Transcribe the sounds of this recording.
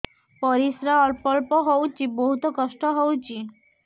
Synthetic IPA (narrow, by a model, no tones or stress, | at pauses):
pɔɾisɾaɔɾpɔlpɔɦowt͡ʃʰiboɦut̪ɔkɔsʈɔɦowt͡ʃʰi